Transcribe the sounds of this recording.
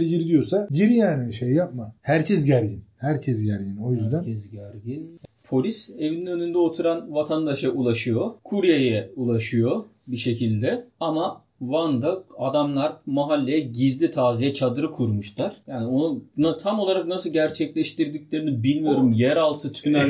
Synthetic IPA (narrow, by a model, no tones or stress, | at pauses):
lɟiɾd̪ijo̞saɟiɾjaːnɛʃejjap̚mahæɾcʰɛs̬ɟæɾɟinhæɾcʰɛsɟæɾɟino̞jyzd̪ænɛsɟæɾɟinpʰo̞lʲise̞vininø̞nynd̪ɛo̞t̪ʰuɾanvat̪ʰand̪aʃaʔulˠaʃɯjo̞kʰuɾjajɛulˠaʃɯjo̞ | biʃe̞cʰilʲd̪ɛama | vand̪aad̪amlˠaɾmaɦalʲːejɛɟizlʲit̪ʰaːzijɛt͡ʃʰad̪ɯɾɯkʰuɾmuʃlˠaɾ̥jaːnio̞nunat̪ʰamo̞lˠaɾak̚nasɯlˠɟæɾt͡ʃʰɛclʲɛʃt̪ʰiɾd̪iclʲe̞ɾinibilʲmijo̞ɾumjæɾalˠt̪ʰɯt̪ʰy̥ynæɾ